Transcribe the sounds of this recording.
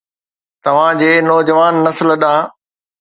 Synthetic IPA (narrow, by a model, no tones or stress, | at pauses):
t̪ɐʋ̤ãd͡ʑeːnɔːd͡ʑəʋaːnːɐslɗãː